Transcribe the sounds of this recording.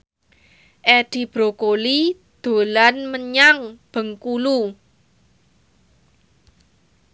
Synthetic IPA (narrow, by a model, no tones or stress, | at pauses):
ʔeɖ̥i̤b̥ɾokoli | d̪̥o̤lanməɲaŋb̥ə̤ŋkulu